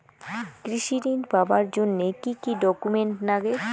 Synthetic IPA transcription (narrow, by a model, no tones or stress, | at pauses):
kɾiʃiɾinbabaɾd͡ʑonːekikiɖɔkumeɳʈnaɡe